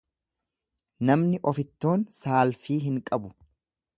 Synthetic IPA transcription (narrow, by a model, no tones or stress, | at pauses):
nɐmnɪʔɔfɪt̪ːo̞ːnsaːlfiːɦɪŋkʼɐbʊ